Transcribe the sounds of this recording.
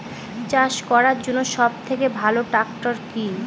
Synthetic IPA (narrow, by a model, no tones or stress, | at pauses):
t͡ɕaʃkɔɾaɾd͡ʑonːoʃɔb̚t̪ʰekebʱaloʈakʈoɾki